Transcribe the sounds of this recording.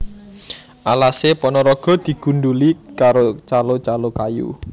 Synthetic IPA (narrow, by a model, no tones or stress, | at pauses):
ʔalasepɔnɔɾɔɡ̥ɔ̤d̪̥i̤ɡ̥ṳnɖulikaɾot͡ʃalot͡ʃalokajṵ